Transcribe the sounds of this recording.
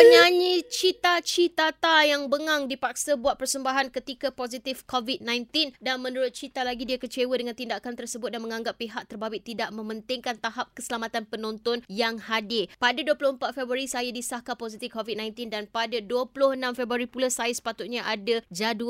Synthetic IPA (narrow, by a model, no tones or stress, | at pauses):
əɲaɲit͡ʃit̪at͡ʃit̪at̪ajaŋbəŋaŋdipak̚sabuat̪̚pərsəmbaɦankət̪ikapozit̪ɪfkovit̪̚nãjnt̪indanmə̃nuɾʊt̪̚t͡ʃit̪alaɡidiakət͡ʃewədəŋant̪indakant̪ərsəbʊt̪̚danməŋãŋɡapːiɦak̚t̪ərbawɪʔt̪idaʔmə̃mə̃nt̪ɪŋkant̪aɦap̚kəsəlamat̪anpənɔ̃nt̪ɔnjaŋhadɪpadaduəplʊhəmpat̪̚febɾuaɾisajadisahkapozit̪ifkovit̪̚nãjnt̪indanpadaduəplʊhənãmfebɾaɾipulasajasə̥pat̪ʊt̪̚ɲaʔadad͡ʒadu